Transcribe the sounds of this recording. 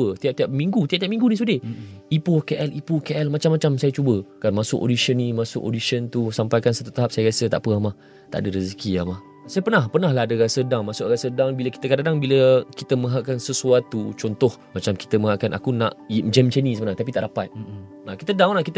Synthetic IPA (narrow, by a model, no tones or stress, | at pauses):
ət̪iap̚t̪iap̚miŋɡut̪iap̚t̪jap̚mĩŋɡunisudɪipukeʔɛlʔipukeʔɛlmat͡ʃamːat͡ʃamsajat͡ʃubəkamasʊko̰disənĩmasʊ̰kʔo̰disənt̪usampajkansat̪ut̪aɦap̚sajaɾiasət̪a̰ʔpəamah | t̪a̰ʔdəɾəzəkiamah | sajapənahpənaɦlaɦadəɣasədaŋmasʊʔrasədaŋbiləkit̪əkadadaŋbiləkit̪əmə̃ɦaʔkansəsuat̪ːut͡ʃɔnt̪ɔhmat͡ʃamki̥t̪əmə̃ɦaʔkanʔa̰kunaʔid͡ʒɛmt͡ʃenĩsəbənaŋt̪ap̬it̪aʔdapat̪̚ | nakit̪ədaŋlaʔkit̪